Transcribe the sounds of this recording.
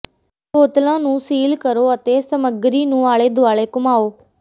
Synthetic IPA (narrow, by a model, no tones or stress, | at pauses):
poːt̪lãːnũːsiːlkəɾoːət̪eːsəməɡɾiːnũːaːɭeːd̪ʱʊaːɭeːkʊmaːoː